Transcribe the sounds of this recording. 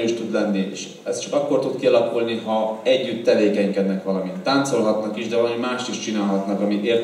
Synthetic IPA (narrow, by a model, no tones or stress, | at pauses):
yːʃt̪ud̪lɛnːiḛːʃ | ɛst̪t͡ʃɒkɒkːo̞rt̪ut̪kiɒlɒkulniɦɒɛɟːyt̪ːɛveːkɛɲkɛd̪nɛkʋɒlɒmit̪ːaːnt̪so̞lɦɒt̪nɒkiʒd̪ɛɒlɒmimaːʃt̪iʃt͡ʃinaːlɦɒt̪nɒkɒmieːr